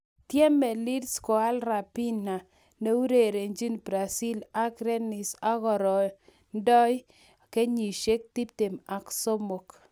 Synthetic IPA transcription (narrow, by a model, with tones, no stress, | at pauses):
tje˦mɛ˨li˦dskɔ˨a˦lɾa˨pi˦na˨ | ne˦u˦ɾe˨ɾe˨ɲd͡ʒi˦nbɾa˨si˦la˦kɾe˦nɪ˨sa˦ɣɔ˨ɾɔ˨ | ndɔ˦j | ke˦ɲi˨ʃe˦k̚ti˦p̚te˨ma˨kso˦mo˨k